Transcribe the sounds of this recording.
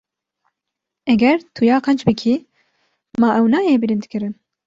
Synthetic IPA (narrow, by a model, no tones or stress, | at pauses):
ɛɡɛɾt̪ʰujɑːqɛnt͡ʃbɨkʰi | mɑːʔɛwnɑːjeːbɨɾɨnd̪kɨɾɨn